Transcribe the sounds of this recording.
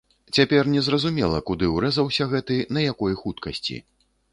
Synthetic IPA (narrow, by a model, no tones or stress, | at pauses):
t͡sʲapʲɛrnʲɛzrɐzumʲɛlˠɐkud̪ɨwɾɛzɐwsʲɐɣɛt̪ɨnɐjakɔjxut̪kɐsʲt͡sʲḭ